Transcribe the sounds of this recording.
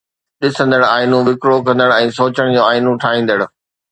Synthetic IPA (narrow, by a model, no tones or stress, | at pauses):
ɗɪsə̃nd̪əɽaːɪnũʋɪkɾokɐ̃nd̪əɽ̃ɛ̃ːsoːt͡ɕəɽ̃d͡ʑoːaːɪnũʈʰaːɦĩːn̆d̪əɽ̆